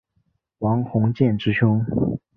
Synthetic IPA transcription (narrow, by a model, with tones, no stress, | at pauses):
wɑ˧˥ŋxʊ˧˥ŋt͡ɕjɛ˥˩nʈ͡ʂɻ̩˥t͡ɕʰʊ˥ŋ